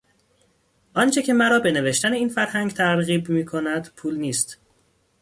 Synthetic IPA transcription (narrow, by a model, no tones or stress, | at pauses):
ʔɒnt͡ʃʰe̞cʰe̞mæɾɒːbe̞ne̞veʃt̪æne̞iːnfæɾhæŋɡt̪ʰæɾɣiːbmiːkʰonæd̪̥pʰuːlniːst̪